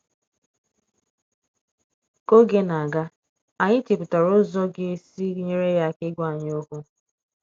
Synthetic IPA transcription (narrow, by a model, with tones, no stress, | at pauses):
ko˦ɡe˦na˨a˨ɡa˦ | a˨ɲɪ˦ti˨pʊ˨ta˨ɾʊ˦zɔ˦ɡe˦si˦ɲe˦ɾe˦ja˦kɪ˦ɡʷa˦˨ɲ˦o˦kʊ˦